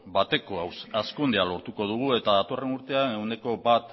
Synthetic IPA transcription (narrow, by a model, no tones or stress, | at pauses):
bat̪e̞koawsaskund̪ealo̞ɾt̪uko̞ð̞uɣ̞ue̞t̪aðat̪o̞re̞nuɾt̪e̞aene̞wne̞ko̞bat̪